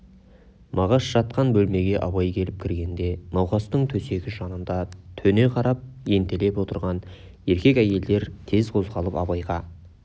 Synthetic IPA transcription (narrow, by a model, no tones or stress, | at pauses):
mɑʁɑsʒ̥ɑt̪qɑnbɵlme̞ɡʲe̞ʔɑβɑjkʲʰe̞lɪp̚kʲʰɪɾɡʲe̞nd̪e̞nɑwqɑst̪əɴt̪ʰɵse̞kʲɪʒɑnənd̪ɑt̪ʰɵne̞qʰɑɾɑp̚je̞nt̪ele̞pwo̞t̪əɾʁɑn | e̞ɾkʲe̞kʲæje̞ld̪e̞ɾt̪ʰe̞zqʰo̞zʁɑlˠəpɑbɑjʁɑ